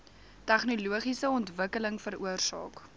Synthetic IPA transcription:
tæχnuluəχisəɔntvəkələŋfəɾuərsɑ̰ːk

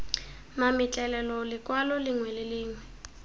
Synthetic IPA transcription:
mamɪt͡ɬʼɛlɛlɔlɪkʼwalɔlɪŋwɛlɪlɪːŋwɛ

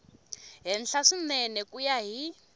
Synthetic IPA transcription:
ɦɛnɬaʂinɛnɛkujaɦi

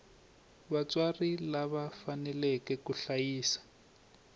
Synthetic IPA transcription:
βat͡swarilaβafanɛlɛkɛkuɬajiːsḁ

